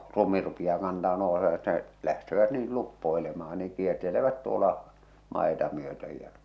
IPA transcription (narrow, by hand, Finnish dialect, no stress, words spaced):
lumi rupij̆ɑː kɑntɑm̆ɑ̆ noˑuseʋɑt ne læhteʋæt niːl lupːoelemɑː niŋ̆ kierteleʋæt tuolɑ mɑˑetɑ myøtøj jæ